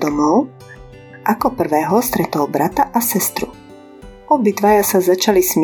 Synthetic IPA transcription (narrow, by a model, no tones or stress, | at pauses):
d̪ɔmɔʊ | ʔakɔpr̩ʋɛːɦɔst̪ɾɛt̪ɔːʊbɾʔat̪aʔasɛst̪ɾṵ | ɔbit̪ʋajasazat͡ʃalismɪ